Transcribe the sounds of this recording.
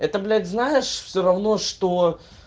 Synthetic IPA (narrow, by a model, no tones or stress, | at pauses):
ɛt̪əblʲæd̪ʲznajɪʂfsʲoɾɐvno̞ʂt̪o